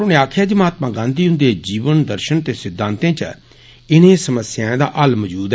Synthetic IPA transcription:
oːnẽːaːkʰjaːd͡ʒimaːt̪mãːɡãːnd̪iːɦʊ̃nd̪eːd͡ʒiːʋənd̪əɾʃənt̪eːsɪd̪ʱːãːnt̪ẽːt͡ʃə | ɪnẽːsəməsjãːd̪a̰ːʔəlməd͡ʒuːd̪

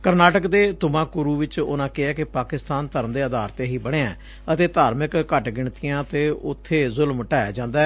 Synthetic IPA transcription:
kəɾnaːʈəkd̪eːt̪ʊmãːkʊɾuːʋɪt͡ʃʊ̰nãːkɪɛːkɪpaːkɪst̪aːnt̪əɾəmd̪eːəd̪aːɾt̪eːɦiːbəɽ̃eːɛ̰̃ː | ət̪eːt̪aːɾmɪkːəʈɡɪɳt̪ijãːt̪eːʊ̰t̪ʰːeːzʊlmʈaːja̰ːd͡ʒãːnd̪aːɛ

